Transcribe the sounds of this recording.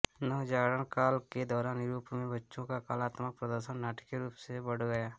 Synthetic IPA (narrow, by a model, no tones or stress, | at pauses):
nəɦd͡ʒaːɡɾənkaːlked̪ɔːɾaːnɾuːpmẽbətːʃõkakaːlaːt̪mək̚pɾəd̪əɾʃənnaːʈə̥kːeɾuːpsebəɽɡəjaː